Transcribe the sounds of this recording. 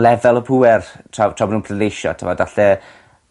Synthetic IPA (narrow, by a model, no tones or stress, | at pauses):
lɛvɛlˠəpʰuːɛrtʰratʰrɔbɔnuːnpʰlənejʃɔ̰tʰəmɔdaɬɛ